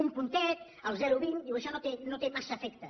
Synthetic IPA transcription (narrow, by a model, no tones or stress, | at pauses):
umpunt̪ɛt̪̚ | əlˠzɛɾuβind̪iwəʃɔnot̪enot̪emasəːfɛkt̪ə